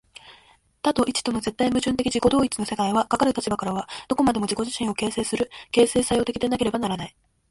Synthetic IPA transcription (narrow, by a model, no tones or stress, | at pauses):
t̪at̪o̞ʔit͡ɕi̥t̪o̞no̞ze̞t̪ːaimɯ̟ʑɨ̃nt̪e̞kʲiʑiko̞d̪o̞ːit͡sɨ̥no̞se̞kaiβakakaɾɯ̟t̪at͡ɕibakaɾaβad̪̥o̞ko̞mad̪e̞mo̞d͡ʑiko̞ʑiɕĩɰ̃o̞ke̞ːse̞ːsɨɾɯ̟ke̞ːse̞ːsajo̞t̪e̞kʲi̥t̪enake̞ɾe̞banaɾanai